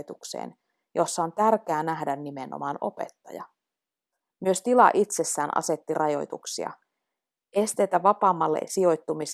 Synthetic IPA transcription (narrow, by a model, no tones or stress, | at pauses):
t̪uksḛːn | jo̞sːɑo̞nt̪ærk̟æːnæɦdænːimeno̰mɑːno̞̰pe̞̰t̪ːɑjɑ̰ | myøst̪ilɑ̰ʔit̪se̞sːæːnʔɑ̰se̞t̪ːirʔɑjo̞̰jt̪uksiɑ̰ | e̞st̪e̞jt̪æʋɑpɑːmːɑlːḛsio̞jt̪ːumis